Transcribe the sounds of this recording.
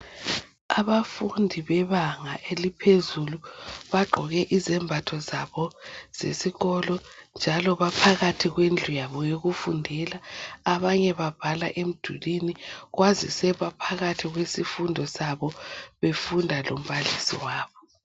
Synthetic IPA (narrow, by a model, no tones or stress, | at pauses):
aβafundʱiβɛβaŋaʔelipʰezuluβaɡ͡ǃʱɔɣɛʔizɛmbʱatʰɔzaβɔz̥ḛsiɣɔlɔnd͡ʒʱalɔβapʰaɣatʰiɣwend͡ɮʱujaβɔjoɣufundʱɛlaːβaɲɛβab̥ʱalaʔem̩d̥ʱṵliniɣwazisɛβapʰaɣatʰiɣwesifundʱɔsaβɔβefundʱalo̰m̩βalisḭwaːβɔ